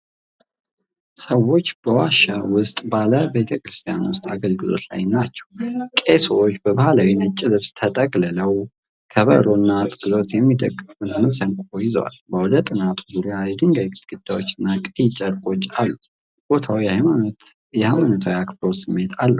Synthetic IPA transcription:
səwːo̞t͡ʃːb̥əwaʃawʊst̪ʼbaləbet̪ʰəkɾɨst̪ʰijanwʊst̪ʼaɡəlɡɨlo̞̰t̪la̰jnat͡ʃːɛwkʼesowt͡ʃːbəbahalawinət͡ʃʼːɪlɨβst̪ʰət̪ʼəɡʼlələw | kʰəβə̰ɾonːasʼɨlo̞t̪jɛmːid̪əkʼːɨfɨnməsəŋkʷʼojɪz̰wa̰lbəwɔd̪ət̪ʼːɨnat̪ʰu̥zuɾijajɛd̪ɨŋɡajkt̪ɡ̥ɨd̪̥ːawo̞t͡ʃːɪnːakʼɨid͡ʒʼəɾkʼo̞t͡ʃːalːu | b̥o̞t̪ʰawihajmanot̪ | jɛhajmanot̪ʰawjakbɾowsɨmːe̞t̪ʰalːə

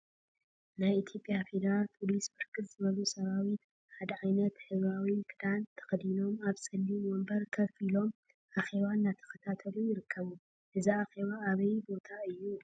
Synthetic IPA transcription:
najit̪ʰjo̞pʼːijafe̞d̪ɐɾalpʰo̞lisbɨɾkʰɨlz̥ɨβɐlusɐβawi | ħad̪ɐʕajnɐt̪hɨzβawikʼɨd̪ant̪ʰɐ̥xɐd̪ino̞maβsʼɨlːiwombɐɾkʰɐfilo̞m | ʔaxe̞βanːat̪ʰɐ̥xɐt̪ʰat̪ʰɐlujɪɾɨkʰːɐβu | ʔɨziaxe̞βaːβɐjbo̞t̪ʰaɨjːu

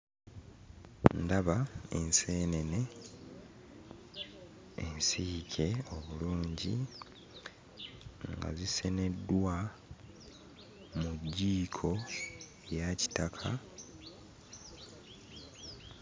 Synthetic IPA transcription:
ndaβae̞nse̞ːne̞ne̞ | ḛnsikʰe̞o̞βuluːɲɟi | ŋɡa̰zise̞ne̞dːwa | muɟːiːkʰo̞ | ejaci̥takʰa

